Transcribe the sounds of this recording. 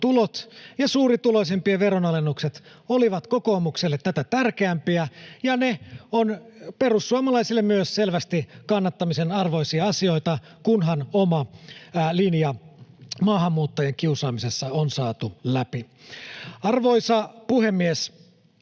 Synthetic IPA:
t̪ulot̪jɑsuːɾit̪ulo̞is̬e̞mpiɑʋeɾonɑlenːukset̪oliʋɑt̪koko̞ːmukselːet̪ːæt̪æt̪ærkeæmpiæjɑneonpe̞rusːuɑmɑlɑisilːemmyøsselʋæst̪ikɑnːɑt̪ːɑmisenɑrʋo̞isiɑɑsio̞it̪ɑ | kunɦɑnomɑ | linjɑmɑːɦɑmːuːt̪ːojeŋk̟iusɑːmise̞sːɑonsɑːt̪ulæpi | ɑrʋo̞isɑpuhe̞mːies

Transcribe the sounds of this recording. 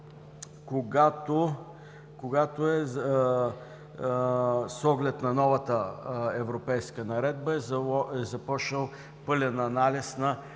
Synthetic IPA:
koɡat̪o | koɡat̪oɛ | sɔɡlɛt̪nɐnɔvɐt̪əɛvɾopɛjskənɐɾɛd̪̚bəɛzɔɛzɐpɔʃnəlˠ | pɤlʲənɐnalʲisnɐ

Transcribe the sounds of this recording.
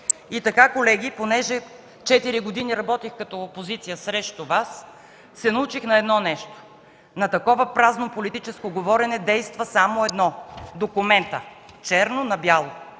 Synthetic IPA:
it̪ɐkakolɛɡ̟iponɛʒɛ | t͡ʃɛt̪iɾiɡod̪iniɾɐbɔt̪ixkɐt̪ɔːpozit̪sijəsɾɛʃt̪ovasː | ɛnɐut͡ʃixnɐɛd̪nɔnɛʃt̪o̥ | nɐt̪ɐkɔvəpɾaznopolit̪it͡ʃɛskoɡovɔɾɛnɛd̪ɛjst̪vəsamoɛd̪nɔd̪okumɛnt̪ə | t͡ʃɛɾnonɐbjalˠo

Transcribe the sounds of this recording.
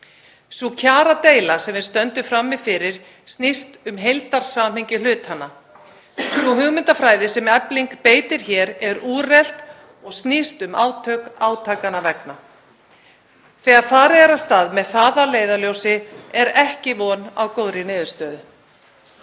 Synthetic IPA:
svucʰaːɾat̪eːjlasɛmɪnst̪œnt̪ʏfɾamːɪðfɪɾɪɾ̥ | st̪nist̪ʏmɦejlt̪aɾ̥saːm̥hɪɲcɪlʏːt̪hanːa | svuɦʏɣmɪnt̪afɾaːjðɪsɛmɛpliŋkpeːjt̪ɪɾ̥çɛːɾɛɾuːrɛl̥t̪ | ɔɣst̪nist̪ʏmaːwt̪ʰœkaːwt̪ʰaːkanavɛkna | θɛːɣaðfaːɾɪɛɾast̪aːðmɛðθaːðaleːjðaljoːwsɪɛɾɛhcɪvɔnawkoːwɾɪnɪːðʏɾst̪œːðʏ

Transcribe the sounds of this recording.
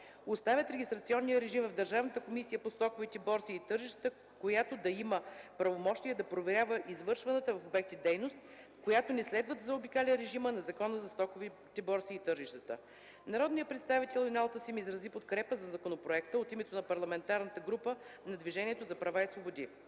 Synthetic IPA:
ost̪avʲət̪ɾɛɡʲist̪ɾɐt̪siɔnːijəɾɛʒimvɐvd̪ɐɾʒavnət̪əkomisijəpost̪ɔkovit̪ɛbɔɾtsiːt̪ɤɾʒiʃt̪ət̪ə | kojat̪od̪ɐiməpɾɐvomɔʃt̪ijəd̪ɐpɾovɛɾʲavəʔizvɤɾʃvɐnət̪əvɐfobɛk̚t̪id̪ɛjnost̪̚ | kojat̪onɛslɛd̪vəd̪zɐobikalʲɛnɾɛʒimənɐzɐkɔnəzɐst̪ɔkov | t̪ɛbɔɾsiːt̪ɤɾʒiʃt̪ət̪ə̰ | nɐɾɔd̪nijəpɾɛt̪st̪avit̪ɛlˠːnalˠt̪əsimizɾɐzipot̪kɾɛpəzɐzɐkonopɾoɛkt̪əot̪imɛt̪onɐpɐɾlˠɐmɛnt̪aɾnət̪əɡɾupənɐd̪viʒɛniɛt̪ozɐpɾɐvaisvobod̪ʲi

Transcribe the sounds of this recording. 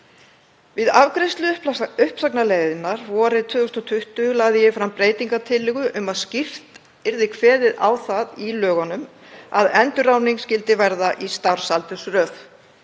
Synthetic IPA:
vɪðavkɾɪst̪lʏʏpʏhpsaknaleːjðɪnaɾvɔːɾɪt̪ʰvʏːðʏst̪ɔt̪ʰʏht̪ʏlaːɣðɪjɛfɾampɾeːjt̪iŋkat̪ʰɪlːɪɣʏʔʏmaðscɪr̥t̪ | ɪɾðɪkʰvɛːðɪða̰wθaðilœːɣanʏm | a̰ðɛnt̪ʏɾawniŋkscɪlt̪ɪvɛɾðaʔist̪aɾ̥salt̪ʏsrœːf

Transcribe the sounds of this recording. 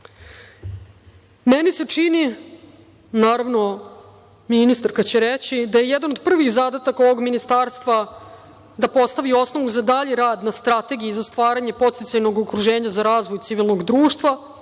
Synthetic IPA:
menise̞t͡ʂini | naːɾavno̞ | minist̪aɾkat͡ɕeɾet͡ɕid̪aje̞jed̪anod̪̚pr̩ʋixzad̪at̪akao̞ʋo̞ɡminist̪aːɾst̪ʋa | d̪apo̞st̪aʋio̞sno̞ʋuzad̪aʎiɾaːd̪nast̪ɾat̪e̞ɡijizast̪ʋaːɾaɲe̞po̞t̪st̪it̪sajno̞ɡokɾuʒeːɲazaɾaːzʋojt̪siʋilˠno̞ɡd̪ɾuːʃt̪ʋa

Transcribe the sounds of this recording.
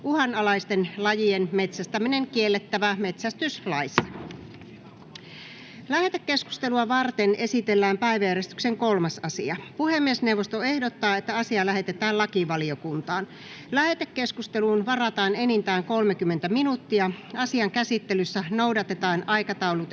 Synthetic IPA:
uhɑnɑlɑist̪enlɑjienme̞t̪sæst̪æmineŋkielːet̪ːæʋæmet̪sæst̪yslɑisːɑ̥ | læhet̪ækːe̞sku̥st̪e̞luɑʋɑrt̪ene̞sit̪elːæːmpæjʋæjæɾest̪ykseŋkolmɑsɑsiɑpuhemːiesneuwʋːost̪oe̞hdot̪ːɑːet̪ːæɑsiɑlæɦe̞t̪et̪æːllɑkiʋɑliokunt̪ɑːn | læhet̪ækːe̞skust̪eluːnʋɑrɑt̪ɑːnenint̪æːŋko̞lmekymːent̪æminut̪ːiɑɑsiɑŋkæsit̪ːelysːænoudɑt̪et̪ɑːnɑjkɑt̪ɑulut̪

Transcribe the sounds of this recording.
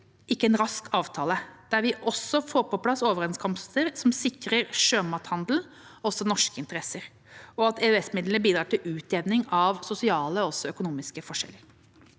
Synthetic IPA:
ɪkːəɛnɾɑskɑːʋt̪ʰɑːləd̪̥æɾʋɪʔɔsɔfoːɾpɔpʰlɑsoːʋəɾɛnskʰɔmst̪əɾsɔmsɪkɾəɾʂøːmɑːt̪hɑnd̪l̩ | ɔsɔnɔʂkəɪnt̪əɾɛsəɾ | ɔɑt̪ɛːøɛsmɪd̪lənəbiːd̪ɾɑːʈɪlʉːt̪eːʋnɪŋɑʋsʊsɪɑːləɔɔsːɔœkʊnuːmɪskəfɔʂɛ̰l

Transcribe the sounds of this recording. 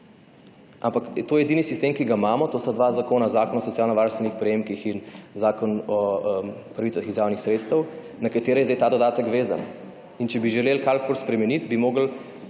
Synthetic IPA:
ʔampakt̪ojɛɛd̪inisist̪emkiɡamaːmɔt̪oːst̪ad̪ʋazakoːnazaːkɔnɔsɔt̪sjalnɐʋaɾnst̪ʋɛnixpɾɛjeːmkixinzaːkɔnɔəmpɾaʋitsaxizjaːwnixsɾeːt̪st̪əw | nɐkat̪eːɾɛjzd̪ajt̪aːd̪ɔd̪aːt̪əkʋeːza̰n | int͡ʃɛbiʒɛlelkalkolspɾɛmɛnit̪bimoːɡəl

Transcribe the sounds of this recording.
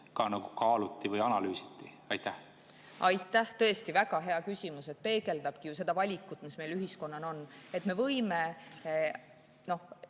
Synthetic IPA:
kɑnɑɡ̥ukɑːlut̪ːˑivɤjɑnɑlyːsi̥t̪ˑːi | ɑjt̪ːæh | ʔɑjt̪ːˑæht̪ɤ̞e̞st̪ivæɡ̥ɑɦe̞ɑkysʲimuse̞t̪̚pe̞ːɡe̞ld̪ɑb̥̚kijuse̞d̪̥ɑvɑlʲikːˑut̪ːˑmisme̞jlyɦisko̞nːɑno̞nːe̞t̪me̞vɤ̞jme̞ | no̞h

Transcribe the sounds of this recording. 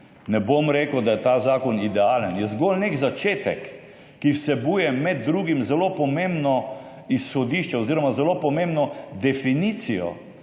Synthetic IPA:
nɛbomɾeːkəwd̪ajɛt̪aːzaːkɔnid̪ɛaːlənjɛzɡolneɡzat͡ʃeːt̪ɛ̰kː | iwsɛbuːjɛmɛd̪̚ːɾuːɡimzɛlopɔmẽmbnɔ | isxɔd̪iʃt͡ʃɛoziːɾɔmazɛloːpɔmẽmbnɔd̪ɛfiniːt̪sijɔ̰

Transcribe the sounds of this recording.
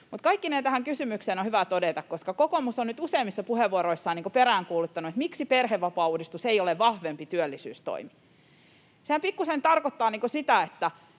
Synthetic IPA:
mut̪kɑikːinent̪æhæŋkysymykseːnohyʋæt̪odet̪ɑkkoskɑkokomusonnyt̪useimːisːɑpuheʋʋuoɾoisːɑːniːŋkopeɾæːŋkuːlut̪ːɑnuet̪miksiperheʋːɑpɑːuːdist̪useioleʋʋɑhʋempit̪yølːisy̰ːst̪o̰imi | sehæmpikːusent̪ɑrkot̪ːɑːniːŋkosit̪æet̪ːæ

